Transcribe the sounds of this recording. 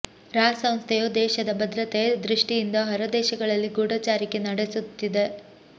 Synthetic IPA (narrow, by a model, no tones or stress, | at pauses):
ɾaːsɐw̃st̪ʰejoːd̪ɛːʃɐd̪ɐbɐd̪ɾɐt̪ed̪ɾiʂʈijind̪ɐɦɐɾɐd̪ɛːʃɐɡɐɭɐlːiɡuːɽɐt͡ʃaːɾikenɐɽesut̪ːid̪e